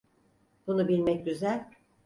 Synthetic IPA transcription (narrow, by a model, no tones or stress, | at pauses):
b̥unubilʲmɛc̚ɟyzælʲ